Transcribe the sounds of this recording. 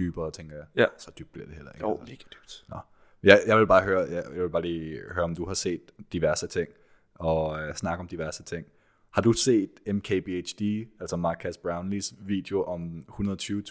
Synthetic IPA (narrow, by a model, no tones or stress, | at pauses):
d̥yːb̥ɐːt͡sʰeŋ̰ɡ̥ɐjɑɪsɒ̽d̥yb̥̚liɐd̥eelɐeɡeɡ̥d̥yb̥nɒ | jaɪjaɪʋe̝lb̥ɑ̈ːɦøːɐjajaʋe̝lbɑ̈ːliːhøːɐɒ̽md̥uhɑ̈se̝̰ːd̥ːiʋæɐsət͡sʰe̝ŋ̰ | ɒ̽snɑ̈ɡ̥əɒ̽md̥iʋæɐsət͡sʰe̝ŋ̰ | hɑ̈d̥use̝̰ːd̥emkʰeb̥eet͡ʃd̥iæl̰sɒmɑ̈ːkʰæsb̥ʁɑ̈ʊnlisʋḭːd̥eo̝ʔɒ̽mhunɐðˠɐt͡sʰyːʊ